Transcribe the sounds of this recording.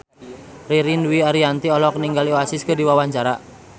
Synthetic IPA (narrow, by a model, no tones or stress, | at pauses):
riɾinwiaɾiant̪iɔlɔkəniŋɡalioasiskədiwawaɲt͡ʃaɾa